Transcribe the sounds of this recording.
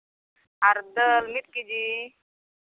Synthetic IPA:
aɾd̪əlmit̪̚kid͡ʑi

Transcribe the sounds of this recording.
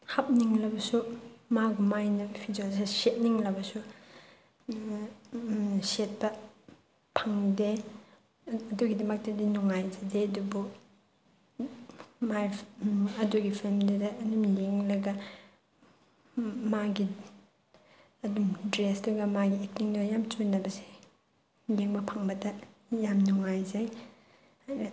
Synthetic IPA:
hap̚niŋlɐbɐsumaɡumajnɐpʰid͡ʒas̬eset̚niŋlɐbɐsu | set̚pɐ | pʰaŋde | ɐduɡidɐmɐk̚tɐdinuŋajd͡ʒɐdeɐdubu | ma | ɐduɡipʰilmdudɐːdumleŋlɐɡɐ | maɡi | ɐdumdɾeslɐɡɐmaɡiek̚niŋnɐjamt͡ʃunːɐbɐse̥ | leŋbɐpʰaŋbɐdɐ | jamnuŋajzaj

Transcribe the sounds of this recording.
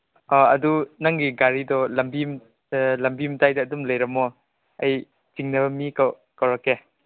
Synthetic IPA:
ɔɐdunaŋniɡaɾidɔlɐmbim | lɐmbimtajdɐːdumlɐjɾɐmɔ | ɐj | t͡ʃiŋnɐbɐmikaw | kawɾake

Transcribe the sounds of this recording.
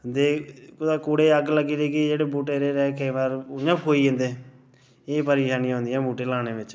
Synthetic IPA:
d̪eːkʊd̪aːkoːɽeːəɡləɡiːɾeːkid͡ʒeːɽeːbuːʈeːɾeːɾɛːkeːʋaːɾʊɲəpʰɦoːiːẽːnd̪eː | eːpəɾɪːʃaːnijãɦʊ̃nd̪ɛ̃ːbuːʈeːlaːɽ̃eːʋɪt͡ʃ

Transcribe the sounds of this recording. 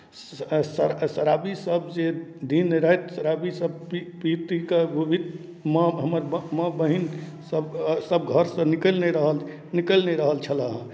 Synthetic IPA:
səɾsəɾabisəbd͡ʒed̪ʱinːeɾəet̪səɾabisəb̚pipit̪ikebʱibʱid̪ | mə̃ɦəməɾbmə̃bəɦin | səbsəb̚ɡʱəɾsə̃niklnɛɾəɦəl | nikəlnɛɾəɦəlt͡ʃʰələɦə̃

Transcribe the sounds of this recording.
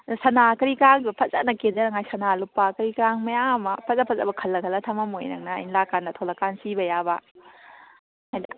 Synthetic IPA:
sɐnakɐɾikɾaŋdbɐpʰɐzanɐkendɐɾɐŋajsɐnalupːakɐɾikɾaŋmɐjaŋmɐpʰɐzapʰɐza̰bɐkʰɐlːɐkʰɐlːɐtʰɐmamojnɐ̰ŋnɐ̰ːjnlakandɐtʰolakːansibɐjaba | hajdɐ

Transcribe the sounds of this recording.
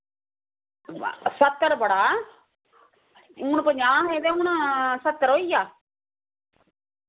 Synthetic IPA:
sət̪ːəɾbəɽaː | uːnpəɲd͡ʒaːɦeːd̪eːũːnsət̪ːəɾoːiːjaː

